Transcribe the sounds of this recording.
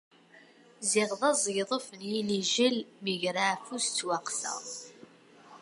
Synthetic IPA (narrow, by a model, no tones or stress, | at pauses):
zɪʁðˤɑzˤjðˤəfənjiliʒəlməʝɾaʕfust͡sːwaqθə̰